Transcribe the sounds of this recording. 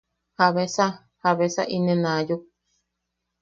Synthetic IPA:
haβesa | haβesa̰ʔinẽnãju

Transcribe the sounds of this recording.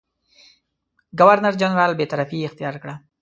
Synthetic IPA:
ɡawaɾnaɾd͡ʒanɾɑːlbet̪aɾafiɪxt̪ijɑɾkɽa

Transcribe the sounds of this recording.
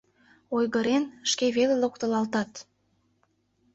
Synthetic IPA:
ojɣəɾenʃkeβelelokt̪əlɑlt̪ɑt̪

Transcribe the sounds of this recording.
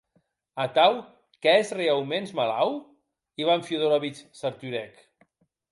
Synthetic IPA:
at̪aw | kɛezreawmenzmalaw | iβaɱfjoðoɾaβit͡ʃsaɾt̪yɾɛk

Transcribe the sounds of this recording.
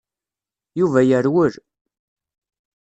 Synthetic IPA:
juvæjəɾwəɾ

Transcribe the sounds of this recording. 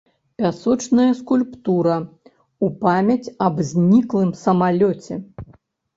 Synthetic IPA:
pʲasɔt͡ʂnɐjɐskulʲpt̪uɾɐ | upamʲɐt͡sʲɐbzʲnʲiklˠɨmsɐmalʲɔt͡sʲɛ

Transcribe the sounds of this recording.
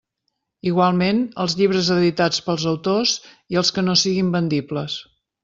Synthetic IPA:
iɣwalˠmenəlˠzʎiβ̞ɾəzəðit̪at͡spəlˠzəwt̪oz | iəlˠskənosiɣimbənd̪ipləs

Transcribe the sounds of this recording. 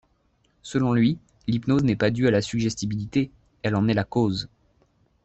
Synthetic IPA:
səlɔ̃lɥi | lipnoznɛpad̪yalasyɡʒɛst̪ibilit̪e | ɛlɑ̃nɛlakoz

